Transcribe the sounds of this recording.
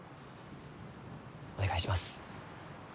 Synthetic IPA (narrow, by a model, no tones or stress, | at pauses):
o̞neɡaiɕimasɨ̥